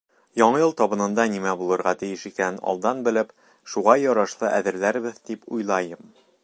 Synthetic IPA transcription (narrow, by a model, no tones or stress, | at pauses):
jɒɴɤjɤlˠt̪ɒbɤ̆nɤ̆nd̪ɑnimæbulˠɤ̆ɾʁɑt̪ɘ̆jɘʃikænɒ̰lˠd̪ɑnbɘ̆lɘp | ʃuʁɑjɒɾɑʃlˠɤʔæðɘ̆ɾlæɾbɘðd̪ipujlˠɑjɤm